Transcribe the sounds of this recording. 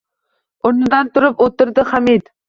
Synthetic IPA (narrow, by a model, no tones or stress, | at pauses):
ʊɾnɨd̪ɑnt̪ʰʊɾɨpot̪ɨɾd̪ɨχæmid̪